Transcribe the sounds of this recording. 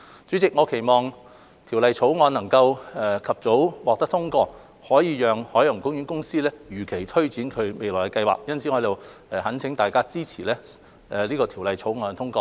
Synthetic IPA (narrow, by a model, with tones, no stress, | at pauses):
t͡syː˨˥t͡sɪ˨k̚ŋɔː˨˧kʰe˨˩jmɔː˨˩ŋ | t̪ʰi˨˩wlɐ˨jt͡sʰo˨˥wŋɔː˧nɐ˨˩ŋkɐ˧wɛ˨kʰɐ˨p̚t͡so˨˥wwaː˨k̚t̪ɐ˥k̚t̪ʰʊ˥ŋkɔː˧ | hɔː˨˥jiː˧jœː˨ŋhɔː˨˥jɐ˨˩ŋkʊ˥ŋjy˨˥nkʊ˥ŋsiː˥lɛː˥jyː˨˩kʰe˨˩jt̪ʰɵ˥ɥt͡siː˨˥nkʰɵ˨˧ɥme˨jlɔː˨˩jkɛ˧kɐ˧jwa̰ː˨k̚jɐ˥nt͡sʰi˨˥hɔː˧˥jt̪o˨˧wɛː˨˩hɐ˨˥nt͡sʰɪ˨˥ŋt̪aː˨jkaː˥t͡siː˥t͡sʰiː˨˩lɛː˥ | ʔɛ˨liː˥kɔː˧t̪ʰi˨˩wlɐ˨jt͡sʰo˨˥wŋɔː˧nt̪ʰʊ˥ŋkɔː˧